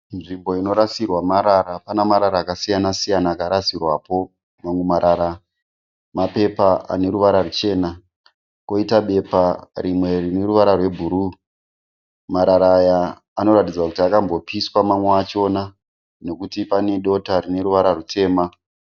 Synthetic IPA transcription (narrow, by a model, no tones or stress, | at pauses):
nʐimbo̞ino̞ɾasirwamaɾaɾapanamaɾaɾaːkasijanasijanaːkaɾasirwapo̞ | maŋwemaɾʔaɾa | mape̞paa̰ne̞ɾuʋaɾarut͡ʃe̞ːna | ko̞itaɓe̞parimwe̞rine̞ɾuʋaɾarwe̞bʱuɾu | maɾaɾaːjaː | no̞ɾatid͡zakutiakambo̞piswamamweat͡ʃo̞na | ne̞kutipane̞ɗo̞tarine̞ɾuʋaɾarutʰe̞ːma